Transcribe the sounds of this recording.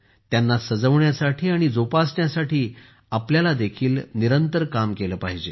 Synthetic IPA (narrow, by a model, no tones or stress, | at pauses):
t̪janːasəd͡zəʋɳjasaʈʰiːaɽ̃id͡zopasɳjasaʈʰiː | apljalad̪ekʰiːlniɾənt̪əɾkamkeləːpaɦid͡ʑe